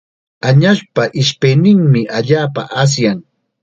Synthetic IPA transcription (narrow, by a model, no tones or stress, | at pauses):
aɲaʃpaʔɪʃpejnɪŋmɪʔaʎaːpa̰ʔas̬jaŋ